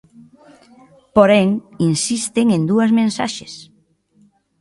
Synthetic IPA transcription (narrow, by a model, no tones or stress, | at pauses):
poɾɛŋinsist̪ɪŋend̪uɐzmẽnsa̰ʃes